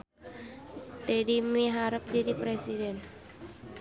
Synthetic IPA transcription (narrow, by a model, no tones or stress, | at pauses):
t̪ɛdimiɦaɾəp̚d͡ʒadipɾesidɛn